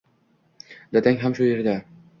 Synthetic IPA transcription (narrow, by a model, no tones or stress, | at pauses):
d̪at̪ʰaŋʲɦamʃʊjeɾd̪a